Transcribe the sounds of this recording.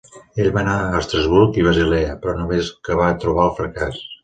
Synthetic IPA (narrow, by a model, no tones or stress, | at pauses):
eʎβanaəːst̪ɾəzβuɾkiβəzilɛəpɾɔnomeskəβat̪ɾuβ̞aəlˠfɾəkas